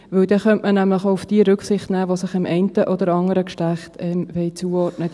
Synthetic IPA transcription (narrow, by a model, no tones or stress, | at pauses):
ʋɵwd̥̪ɛχœntmənæmləχoʊfd̥iəɾʏksɪχtnæːʋosɪχɪmʔɛɪntəʔɔd̪əɾɑŋəɾəkʃtæχtɛmvɛɪt͡suːɔɾtnə